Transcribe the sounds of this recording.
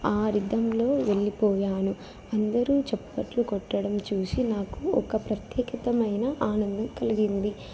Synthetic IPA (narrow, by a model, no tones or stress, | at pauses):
aːɾid̪ɐmlo̞ːʋe̞ɭːipɔːjaːnu | ɐnd̪ɐɾuːt͡ʃɛpːɐʈlukɔʈːɐɽɐmt͡ʃuːsinaːkuɔkɐpɾɐt̪jɛːkit̪ɐmɐjnɐʔaːnɐnd̪ɐmkɐliɡind̪i